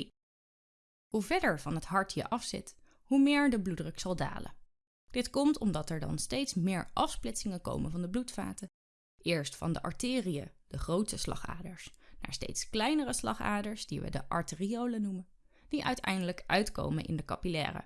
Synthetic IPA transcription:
huvɛɹdəɹvɑnɦətɦɑɹtjə̰ʔɑfsɪ̰t | humɪːɹdəbludrəksɑlˠda̰ːlə̰ | d̥ɪtkɔmtʰɔmdɑtɛɹdɑ̰nstejtsmɪːɹʔɑfsplɪtsɪŋənko̰wmənvɑndəblutfa̰ːtə | ʔɪːɹstfɑ̰ndəʔɑ̰ɹtɪːrijə̰d̥əχrowtəslɑ̰χa̰ːdəɹsnaːɹstḛjtsklɛjnərəslɑ̰χa̰ːdəɹsdiʋə̰dəʔɑɹtɪriowlənumən | d̥iʔœ̰ɥtʰɛ̰jndələkʔœɥtko̰wmə̰nʔɪ̰ndəkɑ̰pilɛ̰ːrə̰

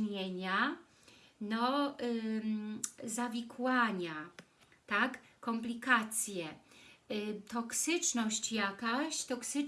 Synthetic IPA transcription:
eɲa | nɔ | zavʲikwaɲa | t̪akːɔmplʲikat̪sʲjɛ | t̪ɔksɘt͡ʂnɔɕt͡ɕjakaɕt̪ɔksɘ

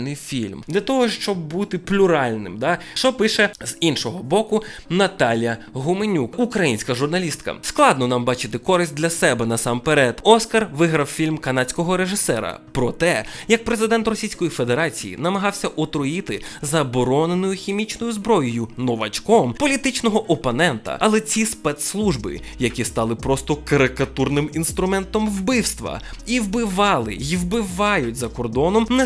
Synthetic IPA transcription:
nɪjfʲilʲmd̪lʲɐt̪ɔɦɔʃt͡ʃɔb̚ːut̪ɪplʲʊɾɑlʲnɪ̰md̪ɑʃt͡ʃɔpɪʃɛz̥inʃɔɦɔbɔkʊnɐt̪ɑlʲjɐɦʊmenʲukukɾɐjinʲsʲkɐʒʊrnɐlʲist̪̚kɐ̰sklˠɑd̪nɔnɑmbɑt͡ʃɪt̪ɪkɔɾɪsʲt̚ʲd̪ʲlʲɐsɛbɛnɐsɑmpeɾɛt̪ɔskɐrʋɪɦɾɐwfʲilʲmkɐnɑt͡sʲkɔɦɔɾe̞ʒɪsɛɾɐ̰pɾɔt̪ɛjɐk̚pɾezɪd̪ɛnt̪rɔsʲijsʲkɔjife̞d̪eɾɑt͡sʲijḭnɐmɐɦɑwsʲɐʔɔt̪ɾɔjɪt̪ɪzɐbɔɾɔnenʊjʊxʲimʲit͡ʃnɔjʊzbɾɔjʊjʊnɔʋɐ̰t͡ʃkɔmpɔlʲit̪ɪt͡ʃnɔɦɔʔɔpɔnɛnt̪ɐ̰ʔɐlˠɛt͡sʲispɛt̪slˠuʒbɪ̰ | jɐkʲist̪ɑlˠɪpɾɔst̪ɔkɐɾɪkɐt̪urnɪminst̪ɾʊmɛnt̪ɔmwbɪwst̪ʋɐ̰ | iwbɪʋɑlˠɪ̰jiwbɪʋɑjʊt̚ʲzɐkɔrd̪ɔnɔmnɛ

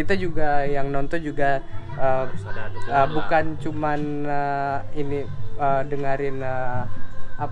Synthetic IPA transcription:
it̪ad͡ʒuɡajaŋnɔnt̪ɔnd͡ʒuɡa | ə | əbukant͡ʃumanəiniədəŋaɾɪnə | a

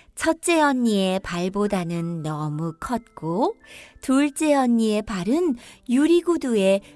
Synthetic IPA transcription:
t͡ɕʰʌt̚t͡ɕ͈e̞ʌɲːie̞paɭbodanɯnːʌmukʰʌt̚k͈otuɭt͡ɕ͈e̞ʌɲːie̞paɾɯnjuɾiɡudue̞

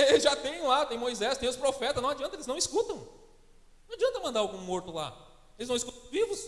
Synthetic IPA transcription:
ʒat̪ẽj̃lat̪ẽj̃mojzɛst̪ẽj̃ʊspɾofɛt̪ɐszñw̃ad͡ʒiɐ̃t̪ɐelɪznɐ̃w̃iskut̪ɐ̃w̃ | nɐ̃w̃ad͡ʒiɐ̃nt̪ɐmɐ̃nd̪aawɡũmoɾt̪ʊla̰ | elɪznɐ̃w̃skuɐ̃vivʊs

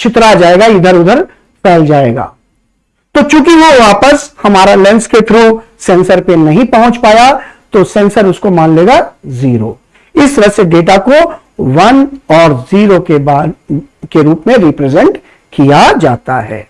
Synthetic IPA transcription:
t͡ʃʰɪt̪ɾad͡ʒaːeːɡaɪd̪ʱəɾʊd̪ʱəɾ | pɛːld͡ʒaːeːɡa̰ː | t̪oːt͡ʃũːkiʋoʋaːpəshɐmaːɾalɛ̃nsket̪ʰɾo | sɛ̃ːnsəɾpenɐɦĩpɐɦʊ̃t͡ʃpaːjat̪osɛ̃ːnsəɾʊskomaːnleːɡaziːɾo̰ː | ɪsɾəseɖeːʈ̬ako | ʋɐnɔːɾziːɾokebakeɾuːpmẽɾɪpɾeːzɛ̃ɳʈ | kijad͡ʒaːt̪a̰ɦɛ̰ː

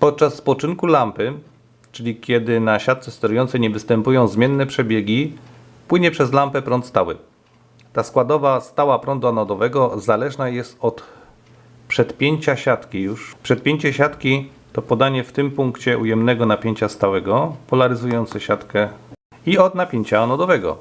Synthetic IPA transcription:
pɔt̪̚t͡ʂasːpɔt͡ʂɘŋkulampɘ | t͡ʂɘlʲikʲjɛd̪ɘnaɕat̪̚sɛst̪ɛɾujɔnt̪sɛɲɛvɘst̪ɛmpujɔ̃w̃zmʲjɛnːɛpʂɛbʲjeɡʲi | pwɘɲɛpʂɛzlampɛpɾɔnt̪st̪awɘ̰ | t̪askwad̪ɔvast̪awapɾɔnd̪uanɔd̪ɔvɛɡɔzalɛʐnajɛst̪ɔt̪ | pʂɛt̪pʲjeɲt͡ɕaɕat̪kʲijuʂpʂɛt̪̚pʲjeɲt͡ɕɛɕat̪kʲi | t̪ɔpɔd̪aɲɛft̪ɘmpuŋkt͡ɕɛʔujɛmnɛɡɔnapʲjeɲt͡ɕast̪awɛɡɔpɔlaɾɘzujɔnt̪sɛɕat̪kɛ | iɔd̪napʲjeɲt͡ɕaːnɔd̪ɔvɛɡɔ̰

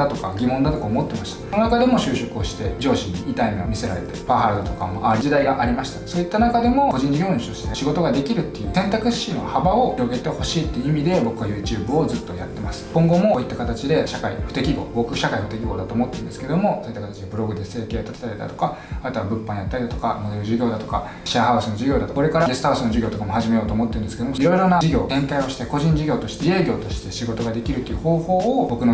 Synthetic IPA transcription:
d̪at̪o̞ka̰ɡʲimond̪at̪o̞kaomo̞t̪ːe̞maɕi̥t̪ḁononakad̪e̞mo̞ɕɨːɕo̞kɯ̟o̞ɕi̥t̪ed͡ʑo̞ːɕĩɲːiit̪aimẽomʲise̞ɾa̰ɾe̞̰t̪epaɦaɾd̪t̪o̞kamoʔaɾʲid͡ʑid̪aiɡaʔaɾʲimaɕi̥t̪aso̞ːit̪ːanakad̪e̞mo̞ko̞ʑĩɲ̟d͡ʑiɡʲo̞ːɲiɕt̪o̞ɕi̥t̪eɕiɡo̞t̪o̞ɡad̪e̞kʲiɾɯ̟t̪ːe̞jɯ̟ːsẽ̞nt̪akɯ̟ɕino̞̰habao̞çiɾo̞ɡe̞t̪e̞ho̞ɕiːt̪ːe̞jɯ̟imʲid̪e̞bo̞kɯ̟ajɯ̟ːt͡ɕɨːbɯ̟o̞zɨt̪ːojat̪ːe̞masɨ̥kõ̞ŋɡo̞moit̪ːakat̪at͡ɕid̪e̞ɕakaḭɸɯ̟̥t̪ekʲiɡo̞̰bo̞kɯ̟ɕakaiɸɯ̟t̪e̞kʲiɡo̞d̪at̪oːmo̞t̪ːeɾɯ̃nd̪eskee̞d̪omo̞soːit̪ːakat̪at͡ɕid̪e̞bɯ̟ɾo̞ɡɯ̟d̪e̞se̞ːke̞ːjat̪at̪e̥t̪aɾid̪a̰t̪o̞̥ka | at̪oβabɯ̟̃pːãɲ̃jat̪ːaɾid̪at̪o̞kamod̪e̞ɾɯ̟ʑiɡʲo̞ːd̪at̪o̞̥ka̰ | ɕiaɦaɯsɨno̞ʑiɡʲo̞ːd̪at̪okoɾe̞kaɾaesɨ̥t̪asɨno̞ʑiɡʲo̞ːt̪o̞kamo̞haʑime̞jo̞ːt̪oːmo̞t̪ːɯ̟nd̪sɨ̥ke̞d̪omoiɾo̞iɾo̞nad͡ʑiɡʲo̞ːt̪ẽ̞ŋk̪aio̞ɕi̥t̪e̞ko̞ʑĩɲ̟d͡ʑiɡʲo̞ːt̪o̞ɕi̥t̪e̞e̞ːɡʲo̞ːt̪o̞ɕi̥t̪e̞ɕiɡo̞t̪o̞ɡad̪e̞kʲiɾɯt̪ojɯ̟ho̞ːho̞ːobo̞kɯ̟no

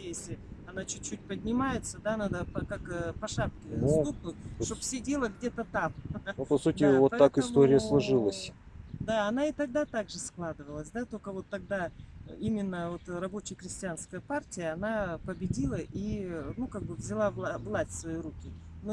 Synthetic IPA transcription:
jesʲlʲɪɐnat͡ɕʊt͡ɕːut̚ʲpədʲnʲɪmajɪt̪səd̪anad̪əpɐkakpɐʂap̚kʲɪzuk̚nʊt̚ʲʂʂt̪ofsʲedʲe̞lˠəɡdʲe̞t̪ət̪ampɐsutʲɪvot̪ːakɨst̪oɾʲɪjəslˠɐʐɨlˠəsʲd̪aɐnaɪt̪ɐɡ̚d̪at̪aɡʐɨsklˠad̪ɨvəlˠəsʲd̪at̪o̞kəvo̞t̪ːɐɡ̚d̪aimʲɪnːəvo̞t̪rɐbo̞t͡ɕɪjəxɾʲɪsʲtʲɪanskəjəpartʲɪjəɐnapəbʲɪdʲilˠəʔinukaɡ̚bɨvzʲɪlˠavˠavlˠasʲtʲsvɐjiɾukʲɪno

